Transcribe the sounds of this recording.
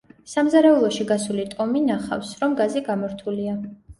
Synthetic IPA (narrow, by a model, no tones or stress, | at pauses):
samzaɾɛulˠɔʃiɡasulit̪ʼɔminaχa̰fsɾɔmɡaziɡamɔɾt̪ʰulia